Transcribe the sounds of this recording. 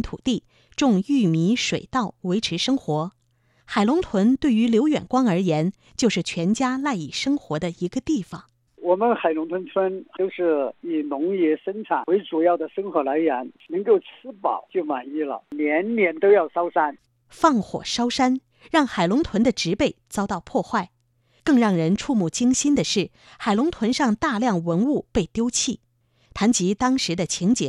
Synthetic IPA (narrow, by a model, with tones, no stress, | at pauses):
nt̪ʰṵ˨˩t̪i˥˩ | ʈ͡ʂʊ˥˧ŋy˥˩mi˧˥ʂwe˨˩ɪt̪ɑ˥˩ʊwe˧˥ɪʈ͡ʂʰɻ̩˧˥ʂɤ˥ŋxwɔ˧˥ | xa˨˩ɪlʊ˧˥ŋt̪ʰwə˧˥nt̪we˥˩ɪy˧˥ljo˧˥ʊjɥɛ̰˨˩nkwɑ˥ŋə˞˧˥jɛ˧˥n | t͡ɕjo˥˧ʊʂɻ̩˥˩t͡ɕʰɥɛ˧˥nt͡ɕja˥la˥˧ɪḭ˨˩ʂɤ˥ŋxwɔ˧˥d̪ə˧i˧˥ɡə˧t̪i˥˩fɑ˨˩ŋ | wɔ˨˩mə˧˦nxa˨˩ɪlʊ˧˥ŋt̪ʰwə˧˥nt͡sʰwə˥no˥˧ʊʂɻ̩˥˩i˨˩nʊ˧˥ŋjɛ˧˥ʂə˥nʈ͡ʂʰa˨˩we˧˥ɪʈ͡ʂu˨˩jɑ˥˩ʊd̪ə˩ʂə˥nxwɔ˧˥la˧˥ɪɥɛ˧˥nnɤ˧˥ŋko˥˩ʊt͡sʰɹ̩˥pɑ̰˨˩˦ʊt͡ɕjo˥˩ʊma˨˩ni˥˩lə̰˨˩njɛ˧˥nnjɛ˧˥nt̪o˥ʊjɑ˥˩ʊʂɑ˥ʊʂa˥n | fɑ˥˩ŋxwɔ̰˨˩ʂɑ˥ʊʂa˥n | ɻɑ˥˩ŋxa˨˩ɪlʊ˧˥ŋt̪ʰwə˧˥nd̪ə˧ʈ͡ʂɻ̩˧˥pe˥˩ɪt͡sɑ˥ʊt̪ɑ˥˧ʊpʰwɔ˥˧xwa˥˩ɪ | kɤ˥˧ŋɻɑ˥˩ŋɻə˧˥nʈ͡ʂʰu˥˧mu˥˩t͡ɕi˥ŋɕi˥nd̪ə˨ʂɻ̩˥˩ | xa˨˩ɪlʊ˧˥ŋt̪ʰwə˧˥nʂɑ˥˧ŋt̪a˥˧ljɑ˥˩ŋwə˧˥nu˥˧pe˥˩ɪt̪jo˥ʊt͡ɕʰi˥˩ | t̪ʰa˧˥nt͡ɕi˧˥t̪ɑ˥ŋʂɻ̩˧˥d̪ə˧t͡ɕʰi˧˥ŋt͡ɕjɛ̰˨˧˥